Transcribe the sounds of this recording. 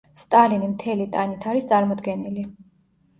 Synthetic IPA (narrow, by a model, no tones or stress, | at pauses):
st̪ʼalinimt̪ʰɛlit̪ʼanit̪ʰaɾist̪sʼaɾmɔd̪ɡɛnili